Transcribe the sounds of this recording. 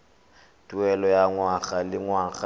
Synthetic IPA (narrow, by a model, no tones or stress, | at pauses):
tʼuɛlɔjaŋwaɣalɪŋwaɣa